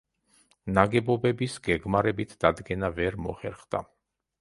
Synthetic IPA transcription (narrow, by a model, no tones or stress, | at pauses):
naɡɛbɔbɛbisɡɛɡmaɾɛbit̪ʰd̪̥ad̪ɡɛnavɛɾmɔχɛɾχd̪a̰